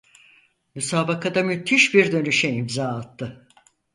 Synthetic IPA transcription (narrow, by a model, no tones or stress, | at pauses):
mysaːbakad̪amyt̪ʰːiʃbiɾd̪ø̞nyʃɛimzaːat̪ʰːɯ